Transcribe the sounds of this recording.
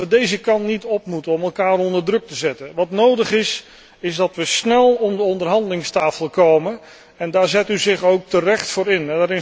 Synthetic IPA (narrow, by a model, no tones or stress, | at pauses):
ʋədejzəkɑntnitɔpmutəɔmɛlˠkaːɾɔndərdrɵk̚təzɛtənʋɑtnowdəχɪs | ɪzdɑtʋəsnɛlˠɔmdəɔndərɦɑndəlɪŋstaːfəlˠkoːmən | ɛndaːɹzɛtyzɪχowk̚tərɛχtfʊːɾɪnɛdaːɾɪ